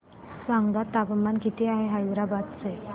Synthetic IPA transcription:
sʋaŋɡɡ̪at̪ːapəmːankit̪iːaɦeɦajuɾabat̪t͡se

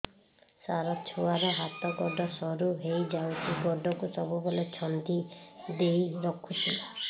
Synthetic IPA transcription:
saɾɔt͡ʃʰuwaɾɔɦat̪ɔɡɔɖɔsɔɾuɦejd͡ʒawt͡ʃʰiɡɔɖɔkusɔbubɔlet͡ʃʰɔnd̪id̪ejɾɔkʰut͡ʃʰi

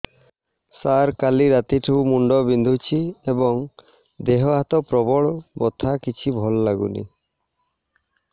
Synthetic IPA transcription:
saɾkaliɾat̪iʈʰumuɳɖɔbind̪ʱut͡ʃʰiebɔŋ | d̪eɦɔɦat̪ɔpɾɔbɔɭbɔt̪ʰakit͡ʃʰibʱɔlɔːaɡṵnḭ

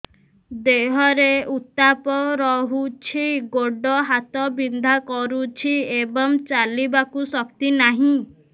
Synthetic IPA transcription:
d̪eɦɔɾeut̪apɔɾɔɦut͡ʃʰiɡoɖɔɦat̪ɔbind̪ʱakɔɾut͡ʃʰiebɔŋt͡ʃalibakusɔkt̪inaɦĩ

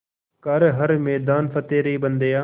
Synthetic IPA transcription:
kəɾɦəɾmeːd̪aːnfət̪eːɾiːbənd̪eːaː

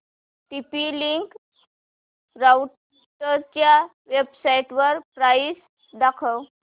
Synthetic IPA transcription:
ʈipiliŋk | ɾaw | ʈəɾt͡ɕja | ʋebsaiʈʋəɾpɾajis | d̪akʰəw

